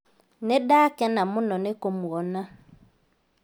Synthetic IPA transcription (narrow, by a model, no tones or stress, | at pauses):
nɛdakɛnamʊnɔnekomuɣɔna